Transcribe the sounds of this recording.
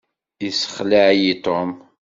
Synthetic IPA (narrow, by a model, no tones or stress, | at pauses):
isə̥χləʕjit̪ˤom